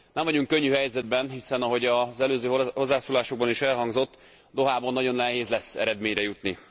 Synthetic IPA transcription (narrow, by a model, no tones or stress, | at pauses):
nɛɱvɒɟuŋkø̞ɲːyhɛjzɛd̪̚bɛnɦisɛnɒɦo̞ɟɒzɛløːzøːɦɦo̞zːaːsoːlaːʃo̞ɡ̚bɒniʃɛlɦɒŋɡzo̞t̪ː | d̪o̞ɦaːbonːɒɟo̞nːɛɦeːzlɛsːɛ̰ɾɛd̪meːɲrɛjut̪ni